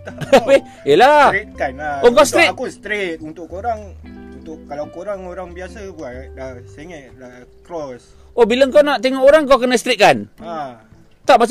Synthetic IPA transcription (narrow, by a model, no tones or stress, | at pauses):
awe | elat̪̚kanaokast̪ɾikust̪ɾet̪̚unt̪ʊʔkoɾaŋunt̪ʊʔalawkoɾaŋoɾaŋbiasəɡualaseŋɛʔlakɾɔs | obiləŋkawnaʔt̪eŋɔʔoɾaŋkawkənəst̪ɾit̪̚kana | t̪aʔmat͡ʃ